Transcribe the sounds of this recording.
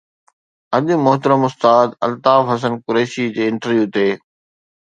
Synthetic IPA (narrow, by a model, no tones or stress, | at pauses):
ɐɗʊmʊɦt̪əɾəmʊst̪aːd̪ɐ̰lt̪aːfɦɐs̬ənkʊɾeːʃid͡ʑeːɪ̃ɳʈəɾʋjuːt̪eː